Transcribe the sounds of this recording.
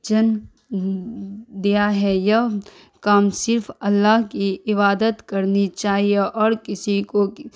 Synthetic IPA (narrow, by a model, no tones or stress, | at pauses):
d͡ʒɐn | d̪ijaɦɛjɐ | kaːmsɪɾfɐlːaɦkiɪβaːd̪ət̪kɐɾnit͡ʃaːɦieʔɔːɾkɪsiko